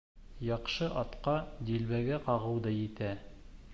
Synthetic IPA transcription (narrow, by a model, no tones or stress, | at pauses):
jɑqʃɤʔɑt̪qɑd̪ilβæɡæqɑʁɤ̆wd̪ɤjɘ̆t̪æ